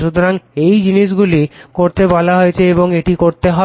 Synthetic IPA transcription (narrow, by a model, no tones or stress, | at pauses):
ʃut̪oɾaŋejd͡ʑiniʃ̬ɡulikoɾt̪ebɔlaɦoet͡ɕʰeeboŋeʈikoɾt̪eɦɔ